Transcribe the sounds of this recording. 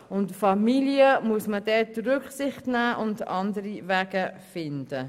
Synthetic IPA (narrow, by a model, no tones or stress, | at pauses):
ʊntfɑmiliəmuəsmədɛdɾʏkχsɪχtnæːʔʊndɑndəɾivæːɡ̥əfɪnd̥ə